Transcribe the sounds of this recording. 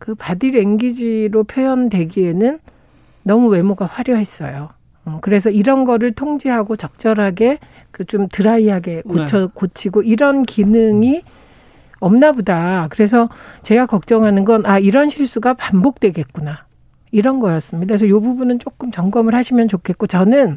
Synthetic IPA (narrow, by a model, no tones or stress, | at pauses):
kɯpadiɾe̞ŋɡid͡ʑiɾopʰjojʌndwe̞ɡie̞nɯnː | ʌmuwe̞moɡaɸwaɾjoɦe̞s͈ʌjoː | kɯɾe̞s̬ʰʌiɾʌnɡʌɾɯɭtʰoŋd͡ʑiɦaɡot͡ɕʌk̚t͡ɕ͈ʌɾɦaɡe̞ | kɯt͡ɕomtɯɾaiɦaɡe̞kot͡ɕʰʌkot͡ɕʰiɡoiɾʌnkinɯŋi | ʌmnabodakɯɾe̞sʰʌt͡ɕe̞ɡakʌk̚t͡ɕ͈ʌŋɦanɯnɡʌnaiɾʌnɕʰiɭs͈uɡapambok̚t͈we̞ɡe̞t̚k͈una | iɾʌnɡʌjʌs͈ɯmɲidaisʰʌjobubunɯnt͡ɕ͈ok͈ɯmt͡ɕʌŋɡʌmɯɭhaɕʰimjʌnt͡ɕokʰe̞t̚k͈ot͡ɕʌnɯn